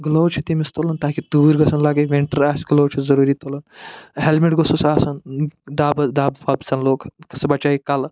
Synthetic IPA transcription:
ɡlowt͡ʃʰit̪imist̪olɐnt̪aːkit̪uːɾɡɐsʰɐnlaɡɐjʋiɳʈəɾaːsʲɡlowt͡ʃʰizɐɾuːɾiːt̪olɐnɦelmiʈɡososaːsɐnd̪aːbɐd̪aːbfaːbsɐnloːkkɐsɐbɐt͡ʃaːikɐl

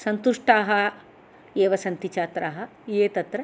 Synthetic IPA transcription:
sɐnt̪uʂʈaːɦɐ | eːʋɐsɐnt̪it͡ʃaːt̪ɾaːɦɐ | eːt̪ɐt̪ɾɐ

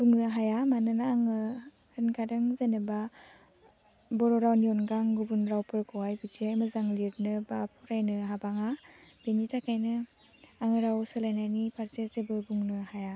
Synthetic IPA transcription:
b̥uŋnɯɦajamanɯnaːŋɯ | hɯnkʰadɯŋzenɯba | bɔɾɔɾawnijɔnɡaŋɡubunɾawpʰɯɾkʰɔwajbitiajmɯzaŋliɾnɯbapʰuɾajnɯɦabaŋab̥enitʰakʰajnɯ | aŋɯɾawsɯlajnajnipʰaɾzezebɯbuŋnɯhaja

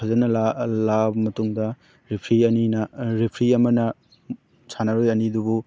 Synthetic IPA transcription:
ɐzɐnɐlalabɐmɐtuŋdɐ | ɾipʰɾiɐninɐɾipʰɾiɐmɐnɐ | sanaɾojɐnidubu

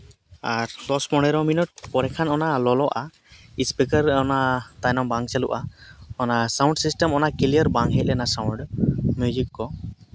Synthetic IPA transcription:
aɾlɔspɔɽɛɾɔminut̚pɔɾɛkʰanɔnalɔlɔʔa | ispikəɾɔnat̪ajnɔŋbaŋt͡ʃaluʔaɔnasawɳɖsisʈɛmɔnakilijɔɾbaŋɦɛc̚ɛnasawɳɖmjud͡ʒikːɔ

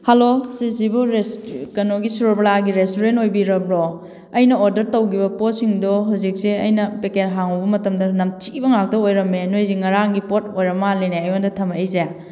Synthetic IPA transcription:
hɐlosisibuɾeskɐnoɡisuɾoplaɡiɾestoɾentojbiɾɐbɾɔ | ɐjnɐoɾdɐɾtɐwɡibɐposiŋdɔɦuzik̚seɐ̰jnɐpekeɾɦaŋɔbɐmɐtɐmdɐnɐmt͡ʃibɐŋak̚dɐojɾɐmenojziŋɐɾaŋɡipot̚ojɾɐmːaleneɐjondɐtʰɐmɐejzeja

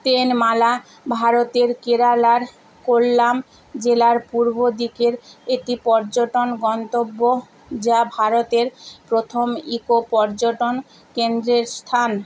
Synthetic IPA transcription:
t̪enmala | bʱaɾot̪eɾkeɾalaɾ | kolːam | d͡ʑelaɾpuɾbʱod̪ikeɾeʈipɔɾd͡ʑoʈonɡɔnt̪obːo | d͡ʑabʱaɾot̪eɾpɾot̪ʰomikopɔɾd͡ʑoʈon | kend̪ɾeɾst̪ʰan

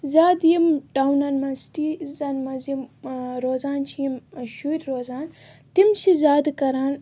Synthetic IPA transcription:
zʲaːd̪jimɖawnanmɐsʈizanmɐzimɾoːzaːnt͡ʃʰijimʃuɾʲɾoːzaːn | t̪imt͡ʃʰizʲaːd̪kɐɾaːn

